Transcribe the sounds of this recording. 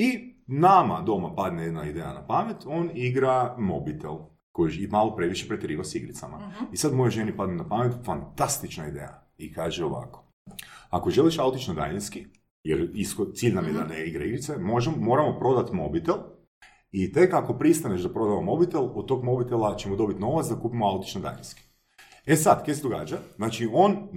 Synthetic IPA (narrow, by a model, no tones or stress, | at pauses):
inamad̪o̞mapad̪neje̞d̪naid̪eja̰napamet̪o̞niɡɾamo̞bit̪elˠ | kojʃimaːlˠo̞pɾe̞ʋiʃepɾet̪ɾiːʋasiɡɾit̪samaisad̪mo̞joʒe̞nipad̪nenapame̞t̪fant̪ast̪it͡ʃnaid̪ḛːja̰ | ikaːʒeoʋa̰ko̥ | ako̞ʒe̞liʃaut̪it͡ʃnod̪a̰ʎinski | jeɾiskot̪siːʎʲnamjed̪aneiɡɾaiɡɾit̪semoʒmːo̞ːɾamo̞pɾo̞d̪at̪mo̞bit̪elˠ | it̪e̞kako̞pɾist̪aneʃd̪apɾo̞d̪aʋamo̞bit̪elˠod̪̚t̪o̞ɡmo̞bit̪elˠat͡ʃe̞mod̪o̞bit̪no̞ʋatsd̪akuːpimoaut̪i̥t͡ʃnod̪a̰jʎḭnʲski̥ | e̞sad̪kesed̪o̞ɡaːd͡ʒaznaːt͡ʃio̞n